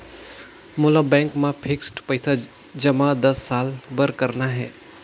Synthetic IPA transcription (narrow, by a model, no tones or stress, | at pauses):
mʊlabɛ̃ŋkmãpʰiksʈpəjsa | d͡ʒəmãd̪əsːalbəɾkəɾnaɦɛ